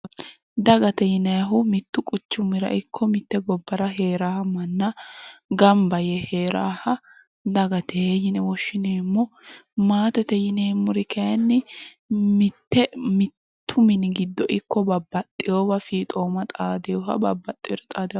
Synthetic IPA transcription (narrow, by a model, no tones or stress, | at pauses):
d̪ɐɡɐt̪ɛjɪnɐjɐɦʊmɪt̪ːʊkʼʊt͡ʃːʊmːɪɾɐ̰ʔɪkʰːɔmɪt̪ːɛɡɔbːɐɾɐɦe̞ːɾaːhɐmɐnːɐɡɐmbɐjɛheːɾa̰ːhɐ | d̪ɐɡɐt̪ʰejɪnɛwɔʃːɪneːmːɔmaːt̪ɛt̪ɛjɪneːmːʊɾɪkʰɛjɐnːɪ | mɪt̪ːɛmɪt̪ʰːʊmɪnɪɡɪd̪ːɔʔɪkːɔbɐbːɐt̪ʼːɪjoːbɐfiːt̪ʼo̞ːmɐt̪ʼaːd̪ejɔɦɐ̰bɐbːɐt̪ʼːɪjɾɔt̪ʼaːd̪ɛ